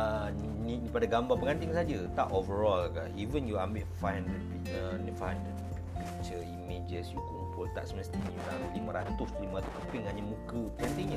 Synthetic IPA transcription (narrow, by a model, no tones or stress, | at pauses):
ə | n | niipadaɡambapəŋãnt̪ɪŋsad͡ʒət̪aʔovəɹɔlkaivənjuambiʔfajnəpikt͡ʃənifajn | p | pik̚t͡ʃəimed͡ʒəsjukumpʊlt̪a̰ʔsimst̪iuɾalimaɾat̪ʊslimaɾat̪ʊ̥sampɪŋhaɲamũkəpəŋant̪iɲa